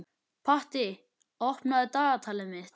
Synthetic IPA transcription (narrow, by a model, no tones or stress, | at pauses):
pʰaht̪ɪ | ɔhpnaðɪt̪aːɣat̪ʰaːlɪmɪht̪